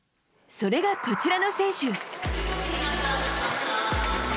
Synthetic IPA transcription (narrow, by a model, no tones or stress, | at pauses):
so̞ɾe̞ɡako̞t͡ɕiɾano̞sẽ̞ːɕɨ